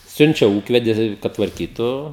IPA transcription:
ˈsʲʊnʲt͡ʃʲɛ ˈuːkʋʲɛdʲɪ kɐt tʋɐrʲˈkʲiːtʊ

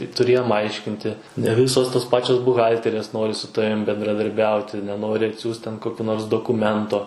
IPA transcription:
tʊˈrʲeːjoːm ˈɐɪʃʲkʲɪnʲtʲɪ nʲɛ ˈʋʲɪsoːs toːs ˈpɑːt͡ʃʲoːs bʊˈɣɐlʲtʲɛrʲeːs ˈnoːrʲɪ sʊ ˈtɑːʋʲɪm bʲɛndrɐdɐrʲˈbʲɛʊtʲɪ nʲɛˈnoːrʲɪ ɐtʲˈsʲuːs tʲɛn ˈkoːkʲʊ noːrs doːkʊˈmʲɛntoː

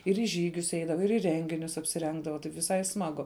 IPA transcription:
ɪr iː ˈʒʲiːɡʲʊs ˈɛɪdɐʋɐ ɪr iː ˈrʲɛŋʲɡʲɪnʲʊs ɐpʲsʲɪˈrʲɛŋɡdɐʋɐ tɐɪp ʋʲɪˈsɐɪ ˈsmɑːɡʊ

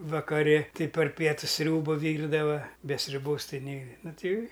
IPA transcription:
ʋɐkɐˈrʲɪ ˈtɨ pɐr ˈpʲiɛtʊs ˈsʲrʲuːbɐ ˈʋʲiːrdɐʋɐ bʲɛ sʲrʲʊˈboːs ˈtɐɪ ˈnʲɛɪ ˈnʊ ˈtɐɪ

